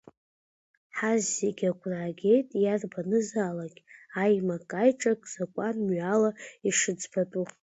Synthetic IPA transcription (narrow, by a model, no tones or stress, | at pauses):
ħazːeɡʲaɡʷʰʼraɡʲe̞jtʼjarbanɨzaːlaɡʲajmakʼajʈ͡ʂʼakʼz̥akʷʼanmɥalaiʂɨd͡zbatʼu